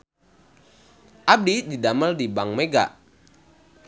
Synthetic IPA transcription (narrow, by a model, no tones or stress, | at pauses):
ʔab̚dididaməldibaŋmeɡa̰